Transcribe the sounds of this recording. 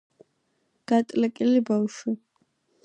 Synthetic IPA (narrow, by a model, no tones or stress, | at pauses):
ɡ̥at̪ʼlakʼɪlibawʃʊ